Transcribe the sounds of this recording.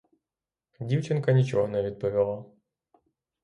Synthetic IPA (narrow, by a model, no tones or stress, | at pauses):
dʲiwt͡ʃɪnkɐnʲit͡ʃɔɦɔnɛʋʲid̪̚pɔʋʲilˠa